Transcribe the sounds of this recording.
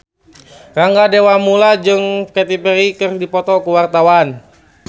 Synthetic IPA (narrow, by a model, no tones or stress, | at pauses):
raŋɡadewamulad͡ʒɨŋkɛt̪ipɛɾikɨrdipɔt̪ɔkuwart̪awan